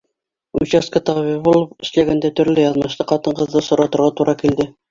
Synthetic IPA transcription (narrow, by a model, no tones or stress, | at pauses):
ut͡ɕæskɑt̪ɑvʲibulˠɤpɘ̆ʃlæɡænd̪æt̪ɵ̆ɾlɘjɑðmɤ̆ʃt̪ɤqɑt̪ɤ̆ɴqɤ̆ðːɤsŏɾɑt̪ŏɾʁɑt̪uɾʔɑkild̪ɘ